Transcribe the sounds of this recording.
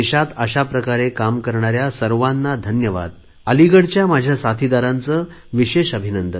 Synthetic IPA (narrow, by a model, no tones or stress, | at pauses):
eɕat̪əɕapɾəkaɾekamkəɾɳaɾjasəɾʋanːad̪ʱənjəʋa̰d̪̚ | əliɡəɽt͡ɕjamad͡ʑʱjasat̪ʰid̪aɾãnt͡sə | ʋiɕeɕəbʱinənd̪ə